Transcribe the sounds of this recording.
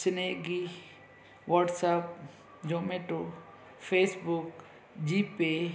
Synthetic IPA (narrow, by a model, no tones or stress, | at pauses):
sɪneɡi | ʋaːʈsap̚ | d͡ʒoːmeʈo | pʰeːsbʊk | d͡ʒiːpːe